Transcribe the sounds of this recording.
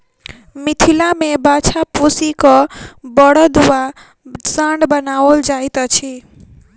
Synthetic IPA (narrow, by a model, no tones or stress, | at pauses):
mit̪ʰilamebat͡ʃʰapusikɔbəɽəd̪uwa | saɳɖbənaəld͡ʒait̪ət͡ʃʰi